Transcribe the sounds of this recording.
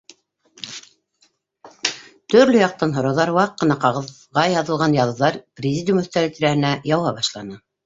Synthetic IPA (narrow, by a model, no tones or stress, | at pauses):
t̪ɵ̆ɾlɵjɑq̚t̪ɑnɦŏɾɑwðɑɾwɑqːɤ̆nɑqɑʁɤ̆ð | ʁɑjɑðɤ̆lˠʁɑnjɑðɤ̆wðɑɾprʲɪzʲidʲjumɵ̆θt̪æɾɘt̪ʲiɾæhɘ̆næjɑwɑbɑʃlˠɑnɤ